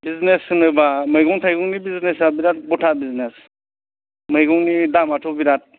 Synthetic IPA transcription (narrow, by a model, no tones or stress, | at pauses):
biznesɯnɯbamɯjɡɔŋtʰajɡɔŋnibiznesabiɾat̚bɔtʰabiznes | mɯjɡɔŋnidamatʰɔbiɾat̚